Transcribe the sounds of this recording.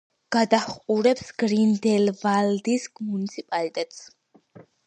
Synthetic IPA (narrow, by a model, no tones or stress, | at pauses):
ɡ̥ad̪aχqʼuɾɛpsɡɾind̪ɛlvald̪iskmunit̪sʰipʼalit̪ʼɛt̪ʼs